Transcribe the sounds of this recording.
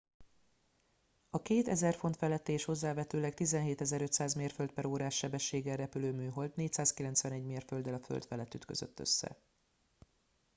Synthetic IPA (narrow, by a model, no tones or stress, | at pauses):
ɒkeːt̪ɛzɛrfo̞nt̪fɛlɛt̪ːeːʃho̞zːaːvɛt̪øːlɛkt̪izɛnɦeːt̪ɛzɛɾø̞c̪ʲsaːzmeːrfølt̪̚pɛɾoːɾaːʃːɛbɛʃːeːɡɛlːɛpyløːmyːɦo̞lt̪neːcsaːskilɛnt̪sʋɛnɛɟmeːrfø̞ld̪ɛlɒfø̰lt̪fɛlɛt̪ːyt̪kø̞̰zø̰t̪ːø̰sːɛ̰